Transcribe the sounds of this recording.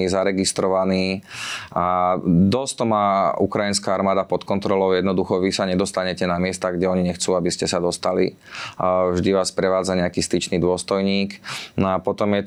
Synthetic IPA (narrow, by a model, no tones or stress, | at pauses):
izaɾɛɡist̪ɾɔʋaniː | ad̪ɔst̪ɔmaːṵkɾajinskaaɾmaːd̪apɔt̪kɔnt̪ɾɔlɔʊjɛd̪nɔd̪uxɔʋisaɲɛd̪ɔst̪aɲɛcɛnamɪɛst̪aɡɟɛɔɲiɲɛxt͡suːabiscɛsad̪ɔst̪alḭ | vʒd̪iʋaːspɾɛʋaːd͡zaɲɛakiːst̪it͡ʃniːd̪ʊɔst̪ɔjɲiːknɔapɔt̪ɔmjɛ